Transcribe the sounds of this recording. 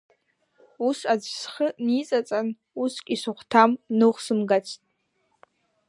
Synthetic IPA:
usad͡zsχənit͡sʼat͡sʼan | uskʲʼisɨχʷtʰamnɨχʷsɨmɡat͡sʷʰtʼ

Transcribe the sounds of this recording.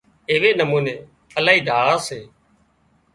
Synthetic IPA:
ɪːʋeːnəmuːneː | əlaːiːd̪ʱaːɭaːseː

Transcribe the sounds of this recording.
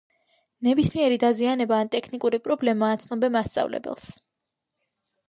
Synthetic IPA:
nɛbismiɛɾid̪azianɛbaːnt̪ʼɛkʰnikʼuɾipʼɾɔblɛmaːt̪sʰnɔbɛmast̪sʼa̰vlɛ̰bɛ̰lˠs

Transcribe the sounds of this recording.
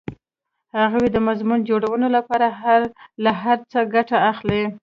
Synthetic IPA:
haɣawed̪əmazmund͡ʒoɽawənolapɑɾaalaɦaɾt͡səɡaʈaːxle

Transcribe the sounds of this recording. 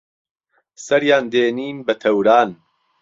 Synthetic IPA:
sɐɾjaːnd̪eːniːnbɐt̪ʰɐwɾaːn

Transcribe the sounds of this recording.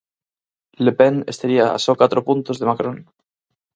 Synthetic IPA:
lepenest̪aɾiaa̰sokat̪ɾopunt̪ozðemakɾon

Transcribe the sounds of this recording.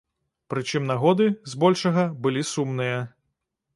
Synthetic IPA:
pɾɨt͡ʂɨmnaɣɔd̪ɨzbɔlʲʂɐɣɐbɨlʲisumnɨjɐ

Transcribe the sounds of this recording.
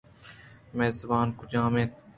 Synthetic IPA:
meːzɐbaːnkʊd͡ʒãːmẽː

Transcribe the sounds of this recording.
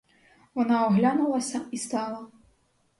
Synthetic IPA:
wɔnaɔɣlʲanulˠɐsʲɐist̪ɑlˠɐ

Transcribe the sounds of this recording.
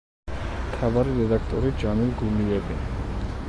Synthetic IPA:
mt̪ʰavaɾiɾɛd̪akʰt̪ʼɔɾid͡ʒanilɡuliɛbi

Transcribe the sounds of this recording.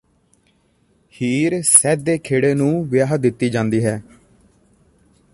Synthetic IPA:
hiːɾsɛːd̪eːkʰeːɽeːnũːʋɪjaːɦəd̪ɪt̪ːiːd͡ʒãːnd̪iːɦɛː

